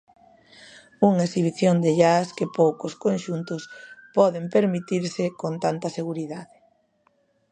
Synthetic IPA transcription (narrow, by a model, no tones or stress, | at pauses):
uŋesiβ̞iθjond̪ɪʎaskɪpowkʊskonʃunt̪ʊspɔðɪmpeɾmit̪iɾsɪkont̪ant̪ɐseɣuɾiðaðɪ